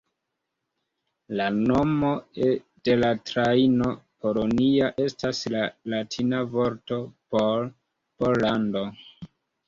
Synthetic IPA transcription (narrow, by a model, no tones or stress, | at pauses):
lano̞mo̞ | d̥e̞latɾaino̞po̞loniaʔe̞staslalatʰinavo̞ɾto̞pol | pollando̞